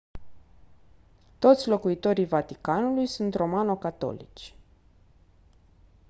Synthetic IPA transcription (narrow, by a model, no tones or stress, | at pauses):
t̪o̞t̪sʲlo̞kuit̪o̞ɾijvat̪ikanulujsunt̪ro̞mano̞kat̪o̞̰lḭt͡ʃʲ